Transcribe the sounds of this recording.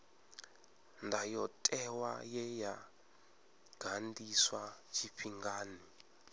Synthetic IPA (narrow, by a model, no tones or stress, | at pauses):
ndajɔtʼɛwa̰jɛja | ɡ̥ʱandiswat͡ʃʰiɸʰiŋɡaːni